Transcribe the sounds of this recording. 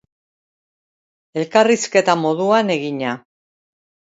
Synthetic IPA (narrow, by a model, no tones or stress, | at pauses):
e̞lkariske̞t̪amo̞ðuane̞ɣiɲa